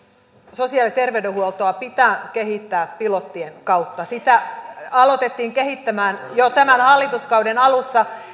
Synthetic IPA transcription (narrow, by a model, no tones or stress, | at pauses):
sosiɑlit̪erʋeydehuolt̪oɑpit̪æːkehit̪ːæːppilot̪ːienkɑut̪ːɑsit̪æɑlot̪et̪ːiːŋkehit̪ːæmæːnjot̪æmænhɑlːit̪uskɑuwdenɑlusːɑ